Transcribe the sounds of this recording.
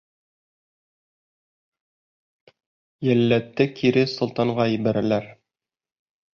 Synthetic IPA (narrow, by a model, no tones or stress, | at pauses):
jælːæt̪ːɘkʰiɾɘsŏlˠt̪ɑɴʁɑiβæɾælæɾ